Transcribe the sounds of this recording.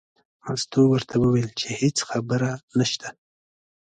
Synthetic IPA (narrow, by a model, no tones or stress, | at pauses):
ast̪owəɾt̪ʰawəwelt͡ʃehet͡sxabəɾanaʃt̪a